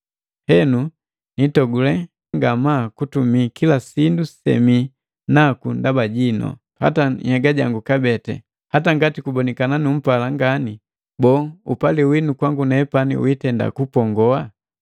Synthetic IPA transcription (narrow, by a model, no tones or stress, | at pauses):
hɛnu | nitɔɡulɛhaŋɡamakutumikilasindusɛ̰mi | nakundabaɟinɔ̰ | ha̰tahɛɡaɟaŋɡukabɛtɛ̰ | hataŋɡatikubɔnikananum̩palaŋɡani | bɔːupaliwinukwaŋɡunɛːpanḭwitɛnda̰kupɔŋɡɔa